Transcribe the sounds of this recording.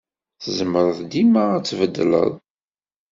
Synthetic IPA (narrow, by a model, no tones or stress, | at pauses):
θəzəməɾˤəðd̪imaæt͡sːvəd̪ːlə̰ðˤ